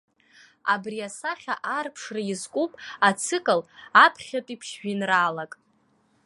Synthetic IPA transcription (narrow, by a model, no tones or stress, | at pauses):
a̰briasaχʲaʔarpʰʂraizkʷʼupʼat͡sʰɨkʼɨlapʰχʲatʼipʰʃʒᶣinralakʼ